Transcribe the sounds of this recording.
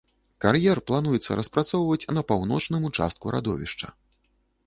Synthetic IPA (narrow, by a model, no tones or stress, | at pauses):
karjɛrplˠanujɛt̪sːɐ̰ɾɐspɾat̪sɔwvɐt͡sʲnɐpawnɔt͡ʂnɨmut͡ʂa̰st̪̚kuɾʔa̰d̪ɔvʲḭʂt͡ʂɐ̰